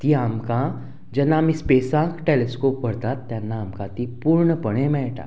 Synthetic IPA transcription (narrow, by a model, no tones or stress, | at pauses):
t̪iamkã | d͡ʒɛnːaːmispeːsãkʈeleskopʋəɽt̪at̪ːjanːaːmkãt̪ipuɾɳəpəɽ̃ẽmɛʈa̰